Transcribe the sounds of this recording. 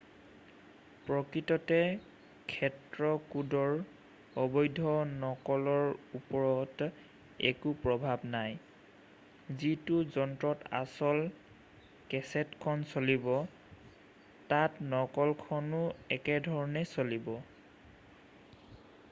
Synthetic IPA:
pɹɔkɹitɔtɛ | kʰɛtɹɔkudɔɹ | ɔbɔjdʱɔnɔkɔlɔɹupɔɹɔt | ɛ̰kupɹɔbʱabnaj | zitʊzɔntɹɔta̰sɔl | kɛsɛtkʰɔnsolibɔ | tatnɔkɔlkʰɔnʊɛkɛdʱɔɹɔnɛsolibɔ

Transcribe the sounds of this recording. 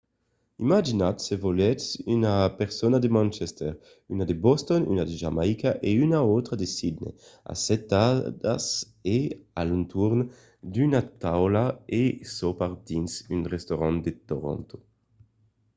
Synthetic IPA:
imad͡ʒinat̪sevolɛsynapeʁsonad̪emãnt͡ʃɛst̪ɛʁ | ynad̪ebɔst̪ɔny̰nad̪eʒamajkaʔeynaot̪ɾad̪esid̪nḛa̰sɛt̪ːad̪a̰s | ealunt̪uɾn | d̪ynat̪awlaesopaʁd̪insynʁest̪oɾand̪et̪oɾo̰nt̪o̥

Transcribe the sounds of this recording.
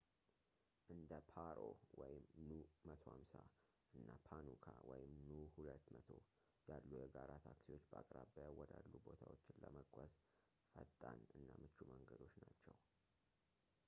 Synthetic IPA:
ʔɨnd̪əpʰaɾowɔjɪmnumət̪ʰo̞hamsa | ʔɨnːapʰanukʰawɔjɪmnuhulət̪ːmət̪ʰo | jalːujɛɡaɾat̪ʰaksiwo̞t͡ʃːbakʼɾabəjwɔd̪alːubo̞t̪ʰawot͡ʃːɪnləməɡʷaz | fət̪ʼːanɨnːamɨt͡ʃːuməŋɡəd̪o̞t͡ʃːnat͡ʃːɛw

